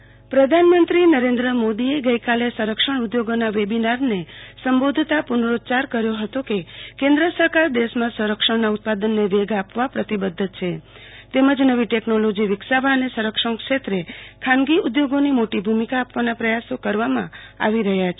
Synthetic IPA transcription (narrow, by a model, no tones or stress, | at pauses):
pɾəd̪ʱanmənt̪ɾinəɾẽnd̪ɾəmod̪ieɡəikalesəɾəkʃəɳud̪joɡonaʋebinaɾnesəmbod̪ʱt̪apʊnɾot͡ʃaɾkəɾjoɦət̪okekẽnd̪ɾəsəɾkaɾd̪eʃmãsəɾəkʂəɳnaʊt̪̚pad̪ənːeʋeɡapʋapɾət̪ibəd̪ʱːt͡ʃʰe | t̪eməd͡ʒnəʋiʈeknolod͡ʒiʋɪksaʋaənesəɾəkʂəɳkʃet̪ɾekʰanɡiud̪joɡonimoʈibʱumikaːpʋanapɾəjasokəɾʋamã̰a̰ʋiɾəɦjat͡ʃʰe